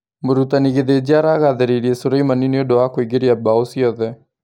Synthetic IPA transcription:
moɾutaniɣeðed͡ʒiaɾaɣaðeɾeɾiɛsoɾaimanineodoakoiɡeɾiabaosiɔðɛ

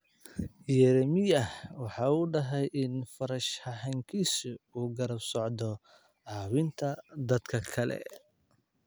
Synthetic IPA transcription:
jɛɾɛmɪjɐwɑħɑːuːɖɐɦɛjʔɪnfɐɾɐʃhɐɦɐŋkʰiːsʊuːɡɐɾɐbsɔʕd̪ɔ | ʕɑːwɪnt̪ʰɐd̪ɐd̪kʰɐkʰɐlɛ̰

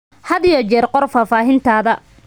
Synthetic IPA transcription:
hɐðɪjɔt͡ʃɛːrqɔrfaːfaːɦɪnt̪ʰaːðɐ

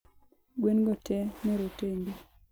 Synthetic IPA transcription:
ɡwenɡɔtɛmɛɾoteŋɡi

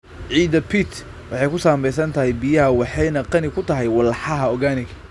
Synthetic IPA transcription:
ʕiːd̪ɐpʰit̪ʰ | wʔɑħɑjkʰʊsaːmbɛjs̬ɐnt̪ʰɐɦɛjbɪjɐɦɐwɑħɑjnɐqɑnɪkʰʊt̪ʰɐɦɛjwɐlːɑħɑɦɐɔɡaːnɪɡʰɐ̥

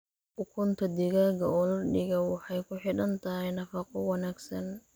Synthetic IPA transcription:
ʔʊkʰʊnt̪ʰɐd̪ɪɣaːɡɐɔːlɐɖɪɣɐwɑħɑjkʰʊħɪɽɐnt̪ʰɐɦɛjnɐfɑqɔwɑnaːɡsɐn

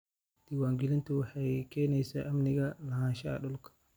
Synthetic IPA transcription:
d̪̥iwaːŋɡɪlɪnt̪ʰʊwɑħɑjkʰɛːnɛjsaːʔɐmnɪɣɐlɐɦaːnʃɐɐ̰ɗʊlkʰɐ̥

